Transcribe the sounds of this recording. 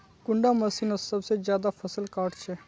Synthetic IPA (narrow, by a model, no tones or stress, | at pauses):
kʊ̃ɳɖaːmɐsiːnosɐbsezjaːd̪aːpʰəsəlkaːɾʈt͡ʃʰeː